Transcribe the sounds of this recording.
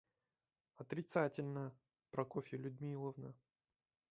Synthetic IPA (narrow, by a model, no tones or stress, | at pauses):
ɐt̪ɾʲɪt̪satʲɪlʲnə | pɾɐkofʲɪlʲʊd̪ʲmʲilˠəvnə